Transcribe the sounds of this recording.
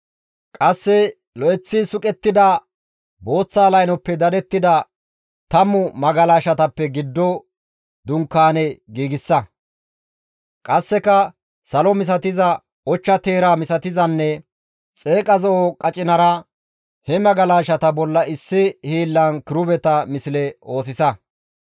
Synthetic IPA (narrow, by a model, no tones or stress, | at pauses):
kʼɐsːɛ | lɔʔɛt͡sːisʊkʼɛt̪ːɪd̪ɐ | bo̞ːt͡sːaːlɐjnɔpːɛd̪ɐd̪ɛt̪ːɪd̪ɐ | t̪ɐmːʊmɐɡɐlaːʃɐt̪ɐpːɛɡɪd̪ːɔ | d̪ʊŋkːaːnɛɡiːɡɪsːɐ | kʼɐsːɛkɐ | sɐlɔmɪs̬ɐt̪ɪzɐ | ɔt͡ʃːɐt̪e̞ːɾaːmɪsɐt̪ɪzɐnːɛ | t͡sʼe̞ːkʼɐzɔɔkʼɐt͡ʃʼɪnɐɾɐ | hɛmɐɡɐlaːʃɐt̪ɐbɔlːɐɪsːɪhiːlːɐnkɪɾʊbɛt̪ɐmɪsɪlɛo̞ːs̬ɪsɐ